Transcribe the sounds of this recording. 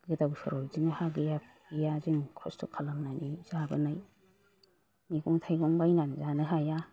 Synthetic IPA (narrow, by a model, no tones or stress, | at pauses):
ɡɯdawsaɾɔjziŋhaɡɯjapʰ | ijaziŋkʰɔstʰɔkʰalamnanizabɐ̰naj | miɡɔŋtʰajɡɔŋbajnanzanaɦaja